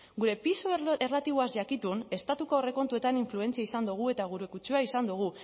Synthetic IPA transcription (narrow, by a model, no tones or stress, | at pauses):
ɡuɾe̞pisoerlat̪iβ̞oazʝakit̪une̞st̪at̪uko̞ore̞ko̞nt̪ue̞t̪aniɱflue̞nt͡siaisand̪uɣ̞ue̞t̪aɣ̞uɾekut͡ʃuaisand̪uɣ̞u